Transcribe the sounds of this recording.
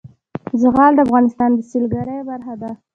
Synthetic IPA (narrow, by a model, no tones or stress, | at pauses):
zəɣɑld̪əafɣɑnɪst̪ɑnd̪əsilɡaɾəjbaɾxad̪a